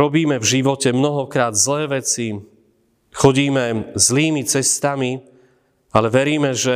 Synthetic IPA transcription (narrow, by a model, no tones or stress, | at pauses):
ɾɔbiːmɛvʒiʋɔcɛmnɔɦɔkɾaːd̪zlɛːʋɛt͡si | xɔɟiːmɛzliːmit͡sɛst̪ami | alɛʋɛɾiːmɛʒɛ